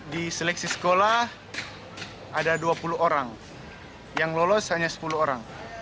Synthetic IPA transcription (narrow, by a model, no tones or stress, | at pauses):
disɛlɛk̚sisə̥kolah | adaduapuluɦoɾaŋ | jaŋlolɔshaɲasə̥puluoɾaŋ